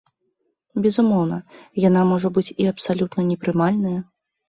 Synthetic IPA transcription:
bʲɛzumɔwnɐjan̪amɔʐɐbɨt͡sʲiɐpsalʲut̪nɐnʲɛpɾɨmalʲnɐjɐ

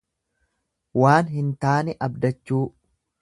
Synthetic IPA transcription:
waːnhɪnt̪aːnɪʔɐbd̪ɐt͡ʃːuː

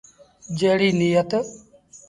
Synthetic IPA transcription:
d͡ʒeːɽiːnijət̪

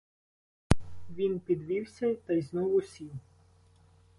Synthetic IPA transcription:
ʋʲinpʲid̪ʋʲiwsʲɐt̪ɐjznɔʋʊsʲiw

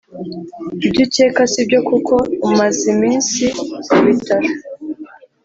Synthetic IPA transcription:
ibɟite̞ːkasibɟo̞kukʰo̞umazimiːnsiuβitaɾa

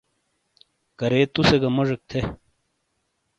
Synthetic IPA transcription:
kɐɾeːt̪useɡɐmoʐek̚t̪ʰe

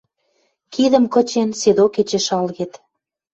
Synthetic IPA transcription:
kiðə̆mkɤ̆t͡ɕensed̪oket͡ɕeʃɑlɣet̪

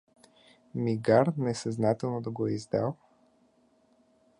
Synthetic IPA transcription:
miɡaɾnɛsaznat̪ɛlˠnod̪ɐɡoizd̪alˠ

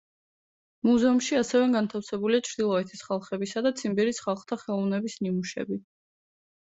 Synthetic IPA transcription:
muzɛumʃiasɛvɛɡant̪ʰafsɛbuliat͡ʃʰɾd̪ilˠɔɛt̪ʰisχalˠχɛbisad̪at̪sʰimbiɾisχalˠχt̪ʰaχɛlˠɔvnɛbisnimuʃɛ̰bi

